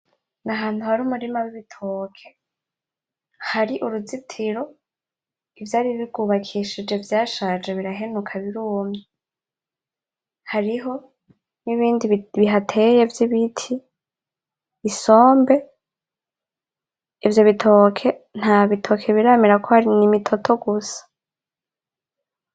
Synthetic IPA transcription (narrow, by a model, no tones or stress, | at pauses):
ŋaɦaːn̥huhaɾumuɾimawiβitʰokʰe̞ | haɾiʔuɾuzitʰiɾo̞ | ivjaːɾiβiɡuːβakʰiʃid͡ʒe̞vjaːʃaːd͡ʒeβiɾaɦe̞nukʰaβiɾuːmɲe | haɾiɦo̞ | niβiːndiβiɦatʰe̞je̞vjiβitʰi | so̞ːmbe̞ | ivjo̞βitʰo̞kʰe̞n̥haβitʰo̞kʰe̞βiɾaːmiɾakʰo̞haɾinimitʰo̞tʰo̞ɡusḁ